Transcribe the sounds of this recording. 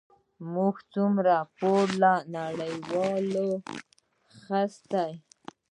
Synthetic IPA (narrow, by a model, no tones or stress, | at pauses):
muɡt͡sumɾapoɾlanaɽəjwɑlo | xast̪aj